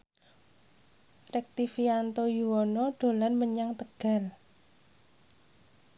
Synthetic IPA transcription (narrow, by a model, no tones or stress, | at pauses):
rɛk̚t̪ifiant̪ojuwɔnɔɖ̪̥o̤lanməɲaŋt̪əɡ̥a̤l